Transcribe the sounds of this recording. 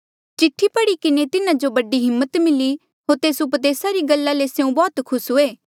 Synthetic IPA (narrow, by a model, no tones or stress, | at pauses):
t͡ʃɪʈʰːipɐɽikɪnet̪ɪnãd͡ʒobɐɖiɦɪmːət̪mɪli | ɦoːɾt̪eːsʊpəd̪eːsaɾiɡəlːaleseũbɔːt̪kʰʊsɦʊeː